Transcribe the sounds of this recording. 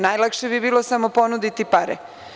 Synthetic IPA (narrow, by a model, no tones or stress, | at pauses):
najlˠakʃebibiːlˠosamo̞po̞nud̪it̪ipaɾɛ̰